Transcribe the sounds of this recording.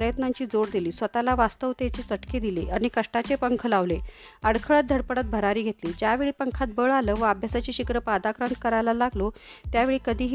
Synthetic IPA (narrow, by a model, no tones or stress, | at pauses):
ɾəjət̪naɲt͡ɕiːd͡zoɽd̪iliːsʋət̪alaʋast̪əʋt̪et͡ɕet͡səʈked̪ileʔaɽ̃ñikəʂʈat͡ɕepəŋkʰlaʋle | əɽkʰəɭət̪̚d̪ʱəɽpəɽət̪̚bʱəɾaɾiːɡʱet̪liːd͡ʑjaʋeɭiːpəŋkʰat̪̚bəɭaləːʋəəbʱjasat͡ɕiːɕikɾəpad̪akɾant̪̚kəɾajlalaɡlot̪jaʋeɭiːkəd̪ʱiːɦ